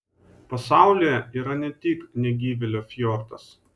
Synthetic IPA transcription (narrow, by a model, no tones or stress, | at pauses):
pɐsɑˑʊlʲejɛiːɾɐnʲɛt̪ʲiːknʲɛɡʲiːʋʲɪlʲoːfʲjoːɾt̪ɐs